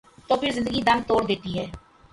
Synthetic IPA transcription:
t̪oːpʰɪɾzɪnd̪əɡid̪əmt̪oːɾd̪et̪iɦɛː

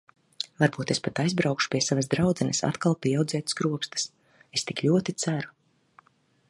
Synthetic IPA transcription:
vaɾbuːt̪espat̪ajzbɾawkʃu̥piɛsavazd̪ɾawd̪zɛnəsa̰t̪kalˠpʲiɛawd̪zɛːt̪sɡɾuɔkst̪ɨ̥s | est̪iklʲuɔt̪it̪sæɾu̥

